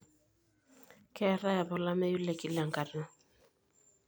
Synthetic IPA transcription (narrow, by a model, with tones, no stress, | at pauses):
kɛ˦ɾa˦ja˨bɔ˨la˦mɛ˦ju˦lɛ˨ki˦la˨ŋ˨ka˨na˦˨